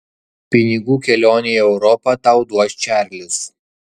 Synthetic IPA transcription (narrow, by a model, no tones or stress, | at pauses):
pʲɪnʲɪɡuːkʲɛlʲoːnʲeːɛʊɾɔpɐt̪ɑˑʊd̪uɔsʲt͡ʃʲæˑɾʲlʲɪs